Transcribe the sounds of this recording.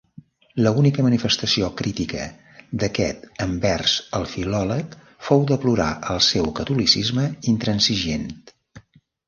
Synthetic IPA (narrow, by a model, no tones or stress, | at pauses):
ləunikəmənifəst̪əsiokɾit̪ikə̰ | d̪əkɛt̪əmbɛrzəlˠfilɔlək | fowd̪əpluɾa̰ʔəlˠsɛwkət̪ulisizməint̪ɾənsiʒent̪